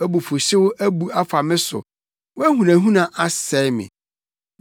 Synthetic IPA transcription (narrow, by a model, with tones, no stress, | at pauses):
æ˦bu˨fʊ˨ɕɪ˦wʊ˦ʔæ˦bu˨a˦fa˨mɪ̃˦sʊ̰˨ | wæ˦hũ˨nã˨ɦũ˦nã˨ʔa˦sɛ˨˦mɪ̰̃˨